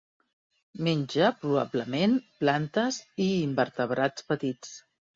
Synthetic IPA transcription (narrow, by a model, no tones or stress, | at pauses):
meɲʲd͡ʒəpɾuβa̰bləmenplant̪əziːmbəɾt̪əβ̞ɾat͡spət̪it͡s